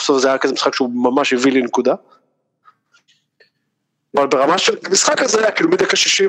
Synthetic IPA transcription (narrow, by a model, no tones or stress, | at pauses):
sofzeajaakezemisχakʃeumamaʃjevilinekud̪a | avalbeʁamaʃelmisχakazeajakiːlumid̪akaʃiʃi